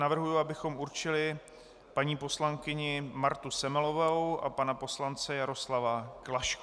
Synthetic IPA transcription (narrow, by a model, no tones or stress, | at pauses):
navr̩ɦujuabɪxo̞muɾt͡ʃɪlɪ | paɲiːpo̞slaŋkɪɲɪmaɾt̪usɛmɛlo̞vɛwʔa̰panapo̞slant͡sɛjaɾoslavaklaʃk